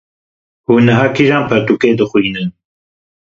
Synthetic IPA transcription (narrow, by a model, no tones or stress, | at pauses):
huːnɨɦaːkʰiʒaːnpʰɛɾt̪uːkeːd̪ɨxʷiːnɨn